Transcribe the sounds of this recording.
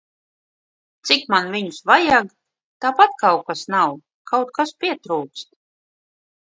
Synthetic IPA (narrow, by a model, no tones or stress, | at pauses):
t̪sikmanviɲusvajaɡ | t̪aːpat̪kawkasnaw | kʰawt̪̚kaspʲiɛt̪ɾuːkst̪̚